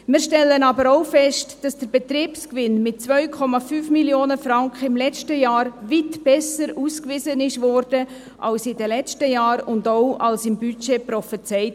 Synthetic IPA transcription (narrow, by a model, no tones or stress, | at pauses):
mɪːɾʃtɛlːənɑbəɾoʊfɛʃtd̥ɑsd̥əɾbɛt̪ɾiːpskʋɪnmɪt̚t͡svœʏkʰɔmɑfyːfmiljoːnəfɾɑŋkʰχəɪmlɛt͡ʃtəjaːɾʋitb̥ɛsəɾuːskʋɪsənɪʃʋɔɾd̥ə | ʔɑlsɪdəlɛt͡ʃtəjɑːɾʊndoʊɑlsɪmbyt͡ʃeprɔfət͡sɛɪt